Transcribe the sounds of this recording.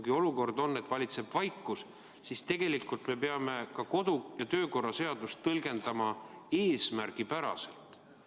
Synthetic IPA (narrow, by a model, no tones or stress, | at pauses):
ɡ̥io̞luko̞rd̪̥o̞nːe̞t̪ːˑvɑlʲit̪se̞b̥vɑjkːˑus | sist̪e̞ɡ̥e̞likːˑult̪me̞pe̞ɑme̞kɑko̞d̪̥ujɑt̪ø̞ːko̞rɑse̞ɑd̪̥ust̪ːɤlɡe̞nd̪̥ɑmɑe̞ːsmærɡ̥ipæɾɑ̰se̞̰lt̪